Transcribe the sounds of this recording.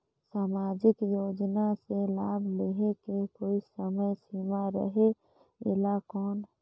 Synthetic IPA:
saːmaːd͡ʒɪkjoːd͡ʒnaselaːbʱleɦekekoːisəməjsiːmaɾə̰ɦe | ɪ̰lakɔːn

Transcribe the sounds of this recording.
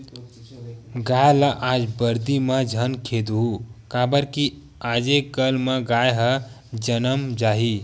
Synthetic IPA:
ɡajlaʔad͡ʒbəɾd̪iməd͡ʒʱənkʰed̪ɦukabəɾki | ad͡ʒekəlməɡajɦə | d͡ʒənəmd͡ʒaːɦi

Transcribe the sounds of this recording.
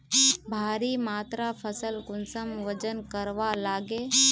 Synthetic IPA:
bʱaːɾimaːt̪ɾapʰəsəlkʊnsəmʋəd͡ʒənkəɾʋalaːɡeː

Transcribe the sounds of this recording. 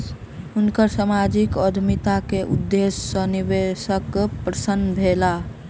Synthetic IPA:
ʊnkəɾsamad͡ʒikɔd̪ʱmit̪akeʔṵd̪ːesːəniʋesəkpɾəsənbʱela

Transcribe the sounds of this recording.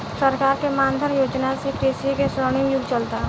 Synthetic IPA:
səɾkaːɾkemaːnd̪ʱənjoːd͡ʒnasekɾeːsikesɾəːɽ̃ɪjʊɡt͡ʃəlt̪a

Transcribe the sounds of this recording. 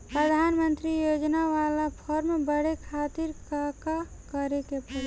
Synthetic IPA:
pɾəd̪ʱanmənt̪ɾijod͡ʒnaʋalapʰɔɾmebəɽekʰat̪iɾkaka | kəɾekepə

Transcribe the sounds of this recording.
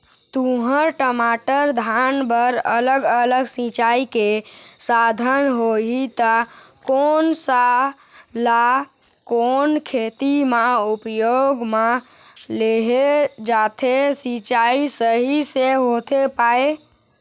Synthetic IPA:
t̪ũɦəɾʈəmaʈəɾd̪ʱanbəɾələɡələɡsĩt͡ʃaikesad̪ʱənɦoɦit̪ə | koːnsa | la | koːnkʰet̪imaupjoɡma | leɦed͡ʒat̪ʰesĩt͡ʃaisəɦiseɦot̪ʰepae

